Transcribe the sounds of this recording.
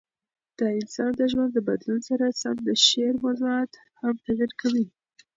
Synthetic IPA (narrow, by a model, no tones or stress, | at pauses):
d̪̥əɪnsɑnd̪əʒwand̪d̪əbad̪lunsaɾasamd̪əʃeɾmazuɑt̪ | hamt̪aɡiɾkʰawi